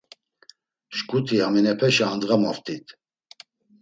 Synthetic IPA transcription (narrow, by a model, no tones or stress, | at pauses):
ʃkʼut̪ʰiaminɛpʰɛʃaand̪ɣamaft̪ʰit̪ʰ